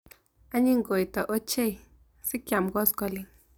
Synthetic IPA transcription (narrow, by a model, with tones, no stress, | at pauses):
a˦ɲi˦ŋɡo˨jtɔ˨ʔo˦t͡ʃe˦j | sɪ˦kja˨mɡɔ˦skɔ˦li˨